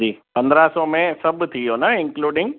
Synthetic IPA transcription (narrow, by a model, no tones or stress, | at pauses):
d͡ʑiːpɐ̃nd̪ɾasɔmẽsɐbʱʊ̆t̪ʰijoːnɐɪ̃nkluːɖɪ̃ŋɡ